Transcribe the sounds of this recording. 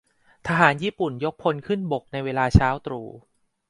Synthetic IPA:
t̪ʰa˧ɦaː˩˦njiː˥˩pu˨˩njo˦˥k̚pʰo˧nkʰɯ˥˩nbo˨˩k̚na˧jweː˧laː˧t͡ɕʰaː˦˥wt̪ɾuː˧˩

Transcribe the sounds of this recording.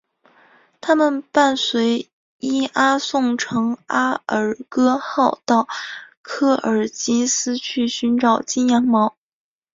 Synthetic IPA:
t̪ʰa˥mə˨npa˥˩nswe˧˥ɪ | i˥ʔa˥sʊ˥˩ŋʈ͡ʂʰɤ˧˥ŋa˥ə˨˩kɤ˥xɑ˥˧ʊt̪ɑ˥˩ʊkʰɤ˥˩ʔə˞˨˩t͡ɕi˥nsɹ̩˥t͡ɕʰy˥˩ɕy˧˥nʈ͡ʂɑ˨˩ʊt͡ɕi˥njɑ˧˥ŋmɑ˧˥ʊ

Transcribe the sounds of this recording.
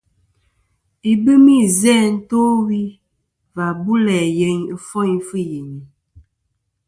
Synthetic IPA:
i˨bɨ˦mi˦zɛ˦˨n̩˦to˦wi˦ | va˨bu˦lɛ˨je˨˦ɲə˦fɔ˦jfɨ˦ji˨ɲi˨

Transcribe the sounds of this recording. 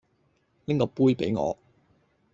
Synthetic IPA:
nɪ˥ŋkɔː˧puː˥jpe˨˥jŋɔ̰ː˨˧

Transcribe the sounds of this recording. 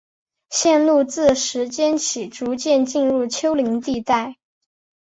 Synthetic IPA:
ɕjɛ˥˧nlu˥˧t͡sɹ̩˥˩ʂɻ̩˧˥t͡ɕjɛ˥nt͡ɕʰi˨˩ʈ͡ʂu˧˥t͡ɕjɛ˥˧nt͡ɕi˥˧nɻu˥˩t͡ɕʰjo˥ʊli˧˥ŋt̪i˥˧t̪a˥˩ɪ

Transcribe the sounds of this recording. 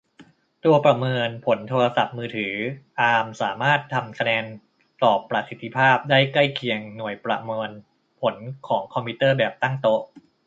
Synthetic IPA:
t̪u˧ɐpɾa˧mɤː˧npʰo˩˦nt̪ʰoː˧ɾa˧sa˨˩p̚mɯː˧t̪ʰɯː˩˦ʔaː˧msaː˩˦maː˥˩t̪ʰːa˧mkʰa˧nɛː˧n | t̪ɔː˨˩pːɾa˧tsi˨˦t̪ʰːi˧˥pʰaː˥˩p̚daː˥˩jkla˥˩jkʰi˨˧əŋnu˨˩əjpɾa̰˧mɤː˧n | pʰo˩˦nkʰɔː˩˦ŋkʰɔ˧mpʰiː˦˥t̪ɤː˥˩bɛː˨˩p̚t̪a˥˩ŋt̪o˦˥

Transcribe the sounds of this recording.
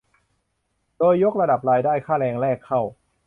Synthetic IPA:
doː˧jːo˦˥k̚ɾa˧da˨˩p̚ɾaː˧jdaː˥˩jkʰaː˥˩lɛː˧ŋlɛː˥˩kʰːa˥˩w

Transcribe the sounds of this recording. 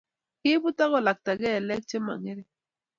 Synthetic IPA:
ki˦bu˦t̪a˦ɣɔ˨la˨k̚t̪a˨ɡɛ˦˨lɛ˦k̚t͡ʃe˦ma̰˨ŋe˦ɾe˨

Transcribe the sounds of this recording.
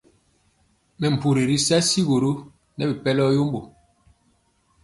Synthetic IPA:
mɛ˨m̩˨pu˨ɾi˨ɾi˦sa˦si˦ɣo˨ɾo˦ | nɛ˦bi˨pɛ˦lɔ˦jo˦m˦bo˨

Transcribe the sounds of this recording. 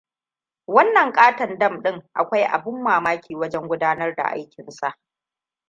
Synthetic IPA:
wɐ˦nːɐ˨ŋkʼaː˦tɐ˨ndɐ˦mɗɪ˦ŋʔa˨kʷa˦jʔa̰˨bʊ˦mːaː˨maː˦kʲʰiː˨wɐ˦d͡ʒɛ˦ŋɡʷʊ˦daː˦nɐ˦rda̰˨ʔa̰˦jkʲɪ˨nsa˦˨ʔ

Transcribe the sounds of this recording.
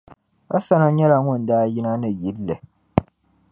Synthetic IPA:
a˦sa˦na˦ɲɛ˦la˨ŋʊ˦n˨daː˦ji˦na˦nɨ˨ji˦lːɨ˨

